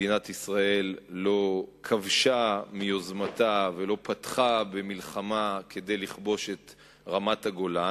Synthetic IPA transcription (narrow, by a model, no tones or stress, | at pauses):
inatisʁae̞lːo̞kʰavʃamio̞zmatave̞lo̞pat̪χabe̞milχamakʰe̞de̞jliχbo̞ʃe̞t̪ | ʁamataɡo̞la